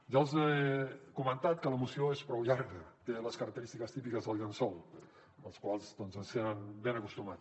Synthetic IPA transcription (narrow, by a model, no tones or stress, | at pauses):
ʒalˠzekumənt̪at̪̚kələmusioespɾɔwʎaɾɣət̪eləskəɾək̚t̪əɾist̪ikəst̪ipikəzðəlˠɡənsɔlˠ | əlˠskwalˠzd̪ɔnzəsəɾanbenəkust̪umat